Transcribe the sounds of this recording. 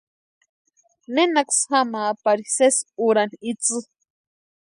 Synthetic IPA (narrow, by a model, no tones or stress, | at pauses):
nenaksxamaːpaɾisesuɾanit͡sɨ